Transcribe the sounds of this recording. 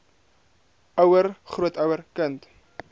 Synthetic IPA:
ʔœwərχruətɐwərkənt

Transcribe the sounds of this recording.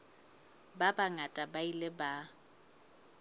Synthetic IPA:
babaŋatʼabailɪba

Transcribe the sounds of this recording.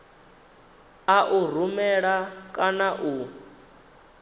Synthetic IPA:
aʔur̤umɛɺakʼanaʔu

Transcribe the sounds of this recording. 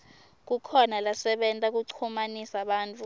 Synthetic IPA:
k̬ukʰɔnalasɛɓɛntʼak̬uǀʰumanisaɓaːntʼu

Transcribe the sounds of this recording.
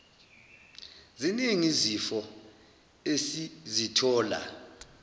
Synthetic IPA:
ziniŋizifɔ | esizitʰɔːla̰

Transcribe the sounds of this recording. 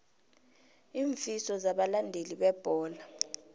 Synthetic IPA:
iːɱfisɔzaɓalandʱeliɓɛb̥ʱɔːla

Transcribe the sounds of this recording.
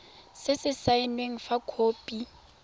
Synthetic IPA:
sɪsɪsaɪnweŋ̩fakʰoːpʼi

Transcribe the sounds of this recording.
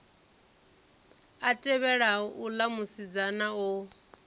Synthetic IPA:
atʼɛβɛɺaulamusid͡zanau

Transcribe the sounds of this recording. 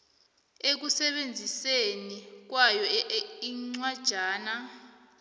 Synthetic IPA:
ek̬usɛɓend͡zʱisenik̬wajɔiŋ͡ǀwad̥ʒ̥ʱaːna

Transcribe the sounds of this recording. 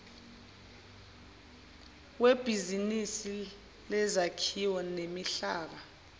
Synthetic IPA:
web̥ʱizinisi | lɛzakʰiwɔnemiɬaːɓa

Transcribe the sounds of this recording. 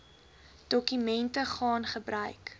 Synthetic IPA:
d̥ɔkymɛntəχɑːnχəbrœɥk

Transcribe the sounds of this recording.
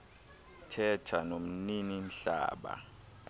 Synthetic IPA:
tʰɛtʰanom̩ninin̩ɬa̰ːɓa̰

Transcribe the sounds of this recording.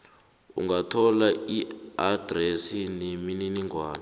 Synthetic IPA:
ṵŋɡatʰɔlaiad̥resinemininiŋɡwaːna

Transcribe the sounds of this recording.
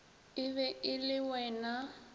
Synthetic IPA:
ɪβɛʔɪlɪwɛːna

